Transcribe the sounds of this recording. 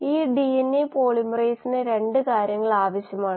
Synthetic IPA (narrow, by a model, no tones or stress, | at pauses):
iːɖienːipoːɭimrejsineɾe̞ɳɖɨkaːɾjɐŋːɐɭaːʋɐɕjɐmaːɳɨ